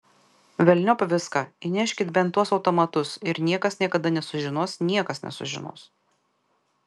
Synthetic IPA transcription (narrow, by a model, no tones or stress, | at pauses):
ʋʲɛlʲnʲopʋʲɪskɑinʲæʃʲkʲɪt̪bʲɛnt̪ːuɔsɒʊt̪ɔmɐt̪ʊsɪɾnʲiɛkɐsnʲiɛkɐd̪ɐnʲɛsʊʒʲɪnuɔsnʲiɛkɐsnʲɛ̰sʊ̰ʒʲɪ̰no̰ːs